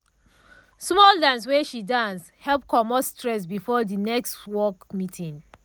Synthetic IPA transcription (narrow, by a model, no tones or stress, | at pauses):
smɔldãns̬wɛʃidãns | hɛlp̚kʰɔmɔtstɹɛs̬bifɔdinɛkstwɔkmitʰĩŋ